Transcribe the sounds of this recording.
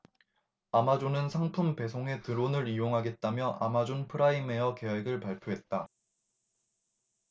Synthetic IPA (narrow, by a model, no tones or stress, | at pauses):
amad͡ʑonɯnsʰaŋpʰumpe̞sʰoŋe̞tɯɾonɯɾijoŋɦaɡe̞t̚t͈amjʌʔa̰mad͡ʑonpʰɯɾaime̞ʌke̞we̞ɡɯɭpaɭpʰjoɦe̞t̚t͈a